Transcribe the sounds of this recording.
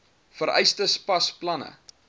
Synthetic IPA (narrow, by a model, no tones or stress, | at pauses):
fəɾɛ̰jstəspɐsplɐnə̰